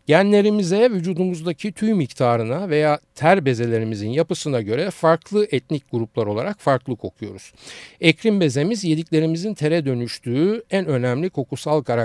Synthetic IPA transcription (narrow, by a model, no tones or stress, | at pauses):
ɟ̥ænlʲe̞ɾimizɛvyd͡ʒuːd̪umuzd̪acʰit̪ʰyjmict̪ʰaːɾɯnave̞jaːt̪ʰæɾbe̞ze̞lʲe̞ɾimizinjapɯsɯnaɟø̞ɾɛfaɾklˠɯʔɛt̪nic̚ɡuɾuplˠaɾo̞lˠaɾakfaɾklˠɯkʰo̞kʰujo̞̰ɾuz̥ɛcʰɾimbe̞ze̞mizje̞d̪iclʲe̞ɾimizint̪ʰe̞ɾɛd̪ø̞nyʃt̪ʰyːænø̞næmlʲikʰo̞kusalˠkʰaɾa